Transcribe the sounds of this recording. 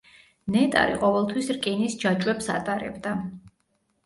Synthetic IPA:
nɛt̪ʼa̰ɾḭqʼɔvɛlˠt̪ʰwisɾkʼinisd͡ʒat͡ʃʼwɛpsa̰t̪ʼaɾɛ̰bd̪a

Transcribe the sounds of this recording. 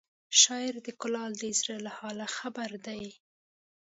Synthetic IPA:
ʃɑɪɾd̪əkʊlɑld̪əzɾelahɑlaxabaɾd̪aj

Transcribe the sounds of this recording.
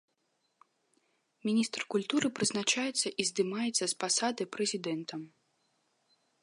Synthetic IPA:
mʲinʲist̪rkulʲt̪uɾɨpɾɨznat͡ʂajɛt̪sːɐʔizd̪ɨmajɛt̪sːɐspasad̪ɨpɾɛzʲid̪ɛnt̪ɐm

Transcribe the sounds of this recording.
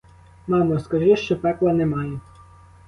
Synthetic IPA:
mɑmɐskɐʒɪʃt͡ʃɔpɛplˠɐnɛmɑjɛ

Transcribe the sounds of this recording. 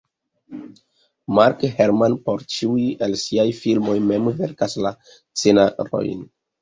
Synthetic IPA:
maɾkheɾmanpo̞ɾt͡ʃiujielsiajfilmo̞jme̞mve̞ɾkasla | t͡senaɾo̰jn

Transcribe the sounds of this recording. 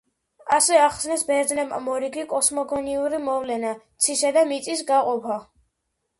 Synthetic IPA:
asɛaχsnɛsbɛɾd̪znɛba̰mɔɾiɡikʼɔsmɔɡɔniuɾimɔvlɛnat̪sʰisad̪amit̪sʼisɡaqʼɔpʰa

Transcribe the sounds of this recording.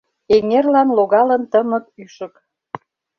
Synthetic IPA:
eŋerlɑnloɣɑlənt̪əmə̆k̚yʃə̆k

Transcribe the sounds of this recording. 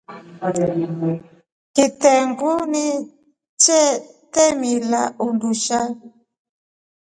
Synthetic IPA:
kitɛŋɡuni | t͡ʃɛtɛmila̰ʔunduʃa

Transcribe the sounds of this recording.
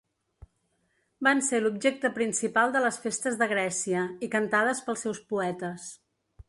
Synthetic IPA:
banselubʒek̚t̪əpɾinsipalˠd̪ələsfest̪əzðəɣɾɛsiəikənt̪að̞əspəlˠsɛwspuɛt̪əs

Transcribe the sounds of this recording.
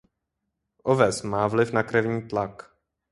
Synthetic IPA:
ʔovɛsmaːvlɪfnakɾɛvɲiːt̪lak

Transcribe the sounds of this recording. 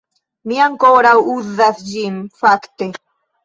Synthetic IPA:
miaŋkoɾawuðasd͡ʒimfakt̪e

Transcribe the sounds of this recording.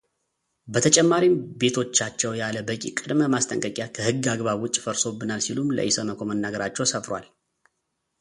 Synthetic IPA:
bət̪ʰət͡ʃʼɛmːaɾimbe̞t̪ʰo̞t͡ʃːat͡ʃːɛwjaləbəkʲʼḭkʼɨd̪məmast̪ʼəŋkʼəkʼjakʰəhɨɡːaɡβaβwʊt͡ʃʼːfəɾso̞bːɨnalsilumlə̰ʔisəməkʰʷomənːaɡəɾat͡ʃːɛwsəfɾwa̰l

